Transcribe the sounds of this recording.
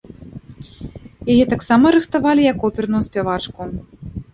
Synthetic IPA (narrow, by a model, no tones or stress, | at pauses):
jajɛt̪aksamɐɾɨxt̪avalʲijɐkɔpʲɛrnujuspʲɛvat͡ʂku